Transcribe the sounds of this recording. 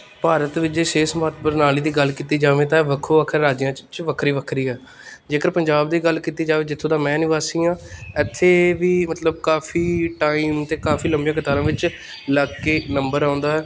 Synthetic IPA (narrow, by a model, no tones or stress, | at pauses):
paːɾət̪ʋɪt͡ʃeːʃeːsmaːt̪bəɾnaːliːd̪iːɡəlkiːt̪iːd͡ʒaːʋẽːt̪ãʋəkʰːoːəkʰəɾɾaːd͡ʒijãːt͡ʃt͡ʃʋəkʰɾiːʋəkʰɾiːɦɛː | d͡ʒeːkəɾpəɲd͡ʒaːbd̪iːɡəlkiːt̪iːd͡ʒaːʋeːd͡ʒɪt̪ʰːõːd̪ãːmɛ̃ːənɪʋaːsiːãːɛːt̪ʰːeːʋiːmət̪ləb̚kaːfʰiːʈaːiːmt̪eːkaːfʰiːləmbijãːkət̪aːɾãːʋɪt͡ʃ | ləɡkːeːnəmbəɾãːnd̪aːɦɛː